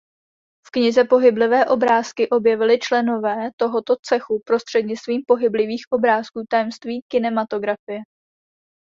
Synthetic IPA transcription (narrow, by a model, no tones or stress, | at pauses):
fkɲɪzɛpo̞ɦɪblɪvɛːʔo̞bɾaːskɪʔo̞bjɛvɪlɪt͡ʃlɛno̞vɛːt̪o̞ɦo̞t̪o̞t͡sɛxupɾo̞st̪r̥ɛd̪ɲɪt͡st̪viːmpo̞ɦɪblɪviːxʔo̞bɾaːskuːt̪ajɛmst̪viːkɪnɛmat̪o̞ɡɾafɪjɛ